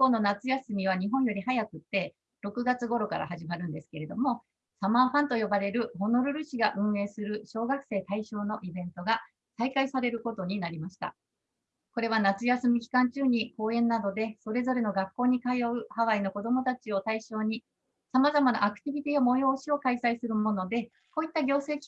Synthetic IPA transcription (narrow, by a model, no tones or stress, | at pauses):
ipːo̞ːno̞nat͡sɨjasɨmʲiβaɲ̟iɦõ̞ɰ̃jo̞ɾʲihajakɯ̟t̪ːe̞ | ɾo̞kɯ̟ɡat͡sɨɡo̞ɾo̞ka̰ɾa̰haʑimaɾɯ̟̃nd̪e̞sɨ̥ke̞ɾe̞d̪o̞mo̞ | samaːhãnt̪o̞jo̞baɾe̞ɾɯ̟ho̞no̞ɾɯ̟ɾɯ̟ɕiɡaʔɯ̟̃ɰ̃e̞ːsɨɾɯ̟ɕo̞ːɡakɯ̟̥se̞ːt̪aiɕo̞ːno̞ʔibẽ̞nt̪o̞ɡa | saikaisaɾe̞ɾɯ̟ko̞t̪o̞ɲ̟inaɾʲimaɕi̥t̪a̰ | ko̞ɾe̞β̞anat͡sɨjasɨmʲikʲi̥kãɲ̟t͡ɕɨːɲ̟iko̞ːẽ̞nːad̪o̞d̪e̞so̞ɾe̞zo̞ɾe̞no̞ɡakːo̞ːɲ̟ikajo̞ɯ̟haβaino̞ko̞d̪o̞mo̞t̪at͡ɕio̞t̪aiɕo̞ːɲ̟i | samazamana̰ʔːkɯ̟̥t̪ʲibʲit̪ʲiomo̞jo̞ːɕio̞kaisaisɨɾɯ̟mo̞no̞d̪e̞ | ko̞ːit̪ːaɡʲo̞ːse̞ːkʲi̥